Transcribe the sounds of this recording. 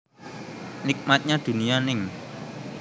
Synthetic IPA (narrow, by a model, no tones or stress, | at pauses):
nɪk̚mat̪̚ɲad̪̥ṳnijanɪŋ